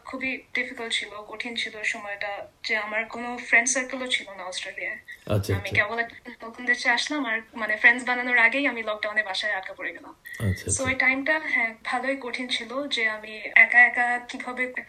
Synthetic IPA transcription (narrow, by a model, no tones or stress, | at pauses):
kʰubiɖifikəlʈ̚t͡ʃʰilokoʈʰint͡ʃʰiloʃumɔjʈad͡ʒeamaɾkonofʰɾeɳɖsəɾkəlot͡ʃʰilonaɔsʈɾeliaɐamĩkɛbɔlaokʰund̪et͡ʃʰeaʃlamaɾmanefʰɾẽnɖzbananoɾaɡejamilɔk̚ɖaw̃nebaʃaeap̚kapɔɽiɡɛlãt͡ʃʰsoojʈajmʈaɦɛ̃bʱaloikoʈʰint͡ʃʰilod͡ʒeamiɛkaɛkakibʱɔbe